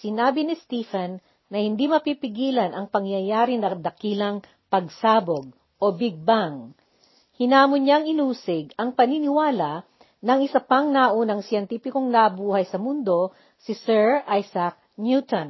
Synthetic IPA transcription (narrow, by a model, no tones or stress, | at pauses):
sɪnaːbinɪst̪ifɐnː | ɐhɪnd̪imɐpipɪɡiːlɐnʔɐŋpɐŋjɐjaːɾɪnɐd̪ɐkiːlɐŋ | pɐɡ̚saːboɡ̚ | ʔo̞bɪɡ̚baŋ | hɪnaːmʊɲɲaŋɪnuːsɪɡɐŋpɐninɪwaːla | nɐŋɪsɐpaŋnaʔonɐŋsjɛnt̪iːpɪkoŋnɐʔbuːhɐjsɐmʊnd̪o̞ | sɪsɛɹajsɐk̚njut̪on